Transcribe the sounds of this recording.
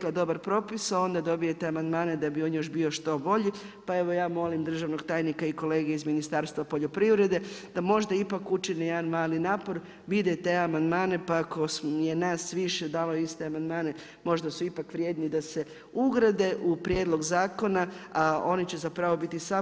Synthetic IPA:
lad̪o̞baɾpɾo̞pisao̞nd̪ad̪o̞bije̞t̪eamand̪maːned̪abio̞njo̞ʃ̬bio̞ʃt̪o̞bo̞ʎi | pae̞ʋo̞jaːmo̞limd̪r̩ʒaʋnoɡt̪aːjnikaiko̞le̞ːɡeizminist̪aɾst̪ʋapo̞ʎo̞pɾiʋɾe̞d̪e̞d̪̥amo̞ʒd̪aipakut͡ʃinejed̪anmaːlinaːpo̞ɾ | ʋid̪et̪e̞amand̪maːne̞pakosje̞naːsʋiʃed̪aːlojist̪eamand̪maːne̞ | mo̞ʒd̪asuipakʋɾʲjeːd̪nid̪ase̞ | uɡɾad̪e̞ʔupɾjed̪lˠo̞ɡzaːko̞naao̞nit͡ɕezapɾaʋo̞bit̪isa

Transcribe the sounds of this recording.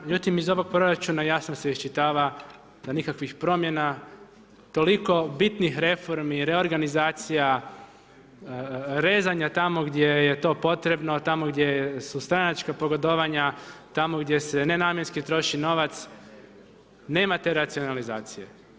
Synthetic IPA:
md͡ʒut̪imizo̞ʋo̞ɡ̚pɾo̞ɾat͡ʃunajasnoseiʃt͡ʃit̪aːʋa | d̪̥anikakʋixpɾo̞mje̞na | t̪o̞liko̞bit̪nixɾe̞fo̞ɾmiɾe̞o̞ɾɡanizaːt̪sija | ɾe̞ːzaɲat̪amo̞ɡd̪ʲje̞jet̪o̞po̞t̪ɾe̞bno̞t̪amo̞ɡd̪jejsust̪ɾanat͡ʃkapoɡod̪oʋaɲat̪amo̞ɡd̪je̞se̞ne̞naːmje̞nskit̪ɾo̞ʃino̞ʋat̪s | ne̞ːmat̪e̞ɾat̪sio̞nalizaːt̪sije̞̰

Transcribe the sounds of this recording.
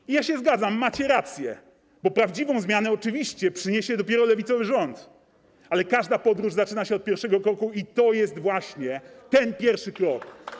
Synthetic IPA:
ijaɕɛzɡad̪zamːat͡ɕɛɾat̪sʲjɛ̰ | bɔpɾavd͡ʑivɔ̃w̃zmʲjanɛɔt͡ʂɘvʲiɕt͡ɕɛpʂɘɲeɕɛd̪ɔpʲjɛɾɔlɛvʲit̪sɔvɘʐɔnt̪ | alɛkaʐd̪apɔd̪ɾuʐzat͡ʂɘnaɕɛɔt̪̚pʲjɛɾfʂɛɡɔkɾɔkuit̪ɔjɛst̪vwaɕɲɛt̪ɛnpʲjɛɾfʂɘkɾɔk

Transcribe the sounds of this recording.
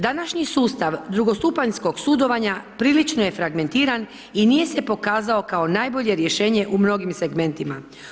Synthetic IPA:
d̪anaʃɲisuːst̪aʋd̪ɾuɡo̞st̪upaɲsko̞ɡsud̪o̞ʋaɲapɾiːlit͡ʃnoje̞fɾaɡme̞nt̪iːɾan | inije̞se̞po̞kaːzao̞kao̞naːjbo̞ʎe̞ɾje̞ʃe̞ːɲe̞ʔumno̞ɡimse̞ɡme̞nt̪ima

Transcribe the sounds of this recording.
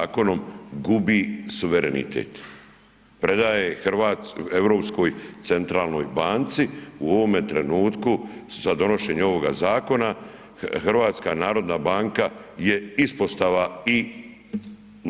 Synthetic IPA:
ko̞no̞mɡubisuʋeɾenḭt̪ʰḛːt̪ | pɾe̞d̪aːjexɾʋaːtevɾo̞ːpsko̞jt̪se̞nt̪ɾaːlˠno̞̰jbaːnt̪siuoʋo̞met̪ɾe̞nuːt̪kuz̥ad̪o̞no̞ʃe̞ɲeo̞ʋo̞ɡa̰zaːko̞na | xrɾʋaːt̪skanaːɾo̞d̪nabaːŋkaje̞ispo̞st̪aʋai

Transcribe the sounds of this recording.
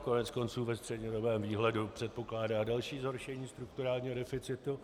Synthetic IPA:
konɛt͡sko̞nt͡suːvɛst̪r̥ɛdɲɛdo̞bɛːmviːɦlɛdupr̝̥ɛt̪̚po̞klaːdaːdalʃiːzɦo̞ɾʃɛɲiːst̪ɾuk̚t̪uɾaːlɲiːɦo̞dɛfɪt͡sɪt̪u

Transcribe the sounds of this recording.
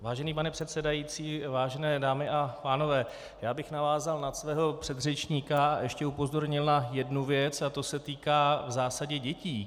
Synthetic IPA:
vaːʒɛniːpanɛpr̝̥ɛt̪sɛdajiːt͡siːvaːʒɛnɛːdaːmɪʔapaːno̞vɛː | jaːbɪxnavaːzalnat̪svɛːɦo̞pr̝̥ɛd̪rɛt͡ʃɲiːkaaʔɛʃcɛupo̞zo̞ɾɲɪlnajɛdnuvjɛt͡sat̪o̞sɛt̪iːkaːvzaːsaɟɛɟɛciː

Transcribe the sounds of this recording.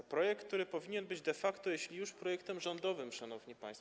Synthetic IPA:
pɾɔjɛk̚t̪ːuɾɘpɔvʲiɲɛnbɘd͡ʑd̪ɛfakt̪ɔjeɕlʲijuʂpɾɔjɛkt̪ɛmʐɔnd̪ɔvɘmʂanɔvɲipã̰j̃st̪ɔ

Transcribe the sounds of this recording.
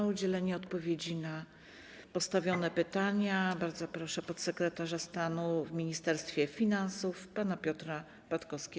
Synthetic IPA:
aud͡ʑɛlɛɲɛɔt̪pɔvʲjed͡ʑina | pɔst̪avʲjɔnɛpɘt̪aɲabaɾd̪zɔpɾɔʂɛpɔt̪sɛkɾɛt̪aʐast̪anuvmʲiɲist̪ɛɾst̪fʲjɛfʲinansufpanapʲjɔt̪ɾa | pat̪kɔfskʲɛ

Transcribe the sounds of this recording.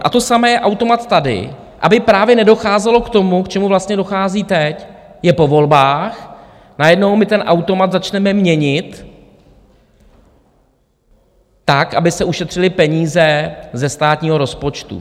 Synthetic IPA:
ʔa̰t̪o̞samɛːjɛʔawt̪o̞mat̪t̪ːadɪ̰ | ʔa̰bɪpɾaːvjɛnɛdo̞xaːzɛlo̞kt̪o̞mukt͡ʃɛmuvlast̪ɲɛdo̞xaːziːt̪ɛcjɛpo̞vo̞lbaːx | najɛdno̞wmɪt̪ɛnʔawt̪o̞mat̪zat͡ʃnɛmɛmɲɛɲɪt̪ | akʔabɪsɛuʃɛt̪r̝̥ɪlɪpɛɲiːzɛzɛst̪aːt̪ɲiːɦo̞ɾo̞spo̞t͡ʃt̪ṵ

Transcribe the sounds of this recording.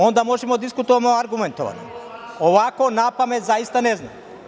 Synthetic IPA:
o̞nd̪amoʒemod̪iskut̪oʋamoaɾɡument̪oʋa̰ni | oʋakonapamet̪zajist̪anezna̰m

